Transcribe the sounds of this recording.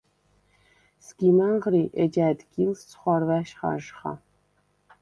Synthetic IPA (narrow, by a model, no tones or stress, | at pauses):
sɡ̥ʲiːmɐɴʁriːʔɛd͡ʒaːdɡʲilst͡sʰχʷɑrvæːʃχɑ̰ʒχɑ̰